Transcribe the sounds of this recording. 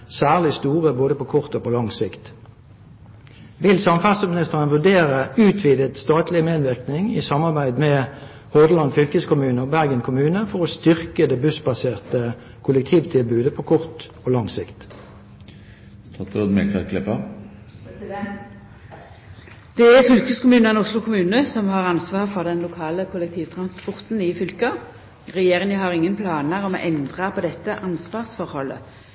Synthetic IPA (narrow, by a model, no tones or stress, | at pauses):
sæːʁlɪst̪uːʁəboːd̪əpokʰɔʁt̪oːpʰɔlɑŋsɪkt̪ | ʋɪlsɑmfæʁsəmɪnɪst̪əʁənʋʉʁd̪eːʁəʉːt̪ʰʋiːd̪ət̪st̪ɑːt̪lɪəmeːd̪ʋɪʁknɪŋiːsɑmːɑʁbæɪd̪mɛ | hɔd̪əlɑnd̪fʏlkəskʰʊmʉːnəobæʁɡənkʰʊmʉːnəfɔʁoːst̪ʏʁkəd̪ɛːbʉsbɑseːʁt̪ə | kʰʊlək̚t̪ʰiːʋt̪ʰɪlbʉːd̪əpʰoːkʰɔʁt̪ | oːlɑŋsɪkt̪ | st̪ʰɑt̪ɾoːd̪mɛklɑ̰tklɛpɑ | d̪̥ɛæʁfʏlkəskʊmʉːnəɛnʊslʊkʰʊmʉːnəsɔmhɑʁɑnsʋɑːʁfɔʁd̪ɛnlʊkʰɑːləkʰʊlɛk̚t̪ʰiːʋt̪ʰʁɑnspɔʁt̪n̩ɪfʏlkə | ʁɛjeːʁɪŋəɦɑʁɪŋːənpʰlɑːnəʁɔmo̰ʔɛnd̪ʁɑpʰɔd̪ɛt̪ːəʔɑnsʋɑːʁsfɔʁhɔlːə̰